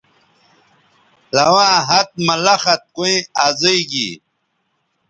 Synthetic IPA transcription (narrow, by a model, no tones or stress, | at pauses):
lɐwãːɦɐt̪̚mɐlɐxɐt̪̚kuĩaːzeiɡḭ